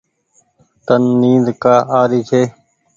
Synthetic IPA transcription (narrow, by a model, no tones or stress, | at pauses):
t̪ənːiːd̪kaːaːɾiːt͡ʃʰeː